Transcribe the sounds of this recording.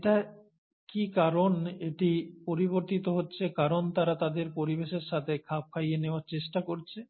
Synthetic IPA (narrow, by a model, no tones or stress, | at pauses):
eʈa | kikaɾoneʈipoɾiboɾt̪it̪oɦotːɕʰekaɾont̪aɾat̪ad̪eɾpoɾibeʃeɾʃat̪ʰekʰap̚kʰajeneoaɾt͡ɕeʃʈakoɾt͡ɕʰe